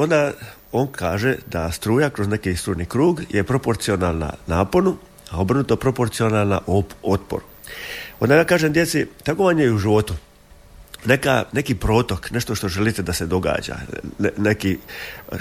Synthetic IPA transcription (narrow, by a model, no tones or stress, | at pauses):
o̞nd̪a | o̞nkʰaːʒed̪ast̪ɾuːjakɾo̞zne̞kist̪ɾuːjnikɾuːɡjʔepɾo̞po̞ɾt̪sio̞nalˠna̰naːpo̞nu | ao̞bɾnut̪opɾo̞po̞ɾt̪sio̞nalˠnaʔoot̪po̰ɾ | o̞nd̪ajaːkaːʒemd̪je̞t̪sit̪aɡo̞ʋaɲejɛuʒiʋo̞t̪u | ne̞ka̰ne̞kipɾo̞ːt̪o̞kne̞ʃt̪oʃt̪o̞ʒe̞lit̪ed̪ase̞d̪o̞ɡa̰ːd͡ʑa̰neki